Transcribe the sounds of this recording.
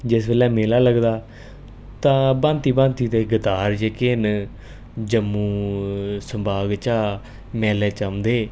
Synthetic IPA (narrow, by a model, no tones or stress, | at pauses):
d͡ʒɪsbeːlɛːmeːlaːləɡd̪aː | t̪ãːbãːnt̪iːbãːnt̪iːt̪eːɡət̪aːɾd͡ʒeːkeːn | d͡ʒəmːũː | səmbʱaːɡt͡ʃaː | mɛːlɛːt͡ʃəmd̪eː